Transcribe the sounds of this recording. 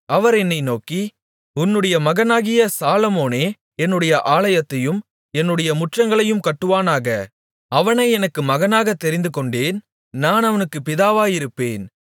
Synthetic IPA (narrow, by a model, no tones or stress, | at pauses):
ɐʋɐɾɛnːɐɪnoːkːi | ʊnːɯɽɐjɐmɐɣɐnaːɣɪjɐsaːlɐmoːneː | ɛnːɯɽɐjɐʔaːlɐjɐt̪ːɐjɯm | ɛnːɯɽɐjɐmʊʈrɐŋɡɐɭɐjɯmkɐʈːɯʋaːnaːɣɐ | ɐʋɐnɐɪɛnɐkːɯmɐɣɐnaːɣɐt̪ːɛɾɪnd̪ɯkɔɳɖeːn | naːnɐʋɐnɯkːɯpɪðaːʋaːjɪɾɯpːeːn